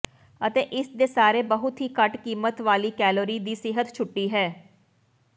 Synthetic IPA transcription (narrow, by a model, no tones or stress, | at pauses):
ət̪eːʔɪsd̪eːsaːɾeːbəɦʊt̪ɦiːkəʈkiːmət̪ʋaːliːkɛːloːɾiːd̪iːsɪɦət̪t͡ʃʰʊʈːiːɦɛː